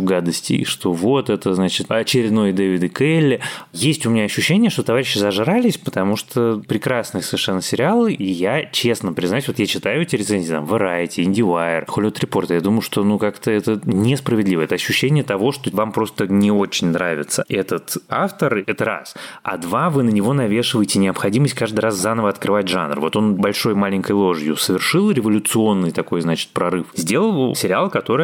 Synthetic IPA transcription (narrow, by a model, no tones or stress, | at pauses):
ɡad̪əsʲtʲɪ̰ʂt̪o̞vo̞t̪ɛt̪əznat͡ɕɪt̪ɐt͡ɕɪɾʲɪd̪no̞jd̪evʲɪd̪ɨkɛlʲːɪjesʲtʲʊmʲɪnʲaɐɕːʉɕːenʲɪjəʂt̪o̞t̪ɐvaɾʲɪɕːɪzɐʐɾalʲɪsʲpət̪ɐmuʂt̪ʰopɾʲɪkɾasnɨəsəvʲɪrʂɛnːəsʲɪɾʲɪalˠɨʔijat͡ɕe̞snəpɾʲɪznaʉsʲvot̪jat͡ɕɪt̪ajʊɛt̪ʲɪɾɪt̪senʲzʲiːt̪a̰mvɨɾajtʲɪɪnʲdʲɪaɪrxolʲt̪ɾʲɪpo̞rt̪jad̪umʊjʊʂt̪o̞nukakt̪əɛt̪ənʲɪspɾəvʲɪd̪lʲivəɛt̪əɐɕːʉɕːenʲɪjət̪ɐvo̞ʂt̪o̞vampɾo̞st̪ənʲɪo̞t͡ɕɪnʲnɾavʲɪt̪səɛt̪ət̪a̰ft̪ərɛt̪əɾa̰sɐ̰d̪vavɨnənʲɪvo̞nɐvʲe̞ʂɨvəjɪtʲɪnʲɪɐpxɐdʲiməsʲt̚ʲkaʐd̪ɨjɾaszanəvəɐt̪kɾɨvat̚ʲʐa̰nrvo̞t̪o̞nbɐlʲʂo̞jmalʲɪnʲkəjlˠo̞ʐjʊsəvʲɪrʂɨlˠɾʲɪvəlʲʊt̪sɨo̞nːɨjt̪ɐko̞jznat͡ɕɪ̥t̪̚pɾɐɾɨfzʲdʲe̞lˠəlˠsʲɪɾʲɪalˠkɐt̪o̞ɾɨj